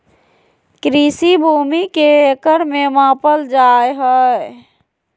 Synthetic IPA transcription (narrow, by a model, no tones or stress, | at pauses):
kɾisibʱumikeekəɾmemãːpəld͡ʒaːjɦə